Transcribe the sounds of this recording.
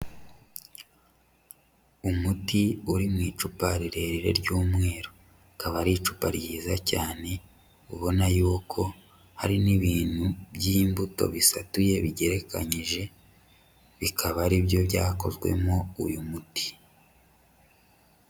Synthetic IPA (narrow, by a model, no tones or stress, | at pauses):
umutiuɾimŋiːt͡ʃupaɾiɾe̞ɾiɾe̞̰ɾɟuːmŋe̞ːɾo | kaβaɾit͡ʃu̥paɾijiːzacaːne̞ | uβo̞najuːkʰo̞ | ha̰ɾiniβiːn̥hubjiːmbuto̞̰βisatuje̞βiɟe̞ɾe̞kʰa̰ɲiʒe̞ | βikʰaβaɾiβjo̞βjaːko̞̰zɡwe̞̰mo̞ṵjumuti̥